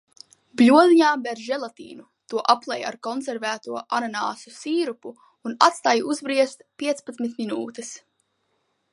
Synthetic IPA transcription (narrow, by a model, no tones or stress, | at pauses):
blʲuɔliɲaːbɛɾʒɛlˠat̪ḭːnu | t̪uɔʔaplˠɛja̰ɾkɔnsɛɾvæːt̪uɔʔananaːsusiːɾupuː | nat̪st̪aːjuzbɾiɛst̪pʲiɛt̪spat̪smit̪mʲinuːt̪ɛs